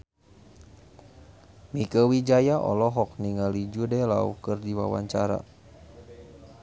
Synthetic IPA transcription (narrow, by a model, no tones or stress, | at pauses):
mikəwid͡ʒajaʔɔ̰lɔɦɔk̚niŋalid͡ʒudɛlaṵhkɨrdiwa̰wa̰ɲt͡ʃaɾa̰